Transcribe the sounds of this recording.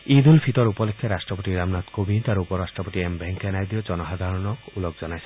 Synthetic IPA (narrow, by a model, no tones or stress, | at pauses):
id̪ulpʰit̪ɔɾupɔlekʰːaɾastɹɔpot̪iɾamnat̪kobʱint̪aɾupɔɾastɹɔpɔt̪iembʱeŋkɛnajd̪iɔd͡ʒɔnɔɦad̪ʱaɹɔnɔkulɔkzɔnajsɛ